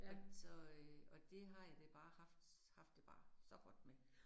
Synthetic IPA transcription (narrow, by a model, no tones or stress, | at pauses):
sɒ̽øɒ̽d̥e̝ɦɑ̈jad̥eb̥ɑ̈ːhɑ̈fd̥ | hɑ̈fd̥eb̥ɑ̰̈ːsɒ̽ɡ̥ɒ̽d̥me